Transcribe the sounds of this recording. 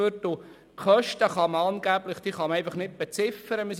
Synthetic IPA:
øtʊ | kχœʃtəχɑməɑnɡ̥æblɪχd̥iːχɑmɛɪfɑχnɪt̚b̥ɛt͡sɪfəɾəmɪs

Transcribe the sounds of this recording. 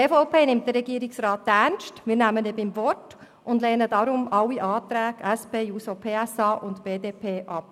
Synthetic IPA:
eːfopʰeːnɪmt̚d̥əɾɛɡiəɾɪksɾɑːt̚ːɛnʃtmɪːɾnæmənebɪmvɔt | ʔʊndlɛːnədɑɾʊmɑwːiʔɑːt̪ɾɛːɡɛspeːjuːsopʰeːɛsɑːʔʊntb̥eːdeːpʰeːʔɑp̚

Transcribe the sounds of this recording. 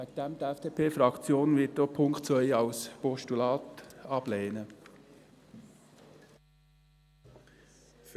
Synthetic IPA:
ʋæɡ̥̚d̪ɛmd̥̪əɛfd̥epʰeːfɾɑkt͡sjoːnʋɪtdopʰʊŋktt͡sœʏɑlspɔʃtulɑːt̪ɑb̥leːnə | f

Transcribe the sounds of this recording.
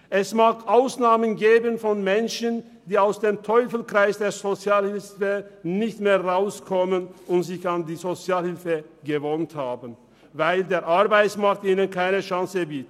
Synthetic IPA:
ʔɛsmaːkʰʔaʊsnaːmənɡeːbənfɔnmɛnʃən | d̥iːaʊsd̥eːmtʰɔʏfl̩kʁ̥aɪsd̥eːɐzot͡sjaːlhɪlsənɪçtmeːɐʁaʊskʰɔmənʊntz̥ɪçandiːzot͡sjaːlhɪlfəɡəvonthaːbən | vaɪldeːɐʔaɐbaɪsmaɐk̚tiːnənkʰaɪnəʃaŋsəbiːtə

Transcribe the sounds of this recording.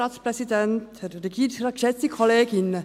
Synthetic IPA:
ɑt̪spʰɾɛsɪd̪ɛnt̪ʰɾəɡidɾɑkɛt̪ikʰɔleːɡɪnə

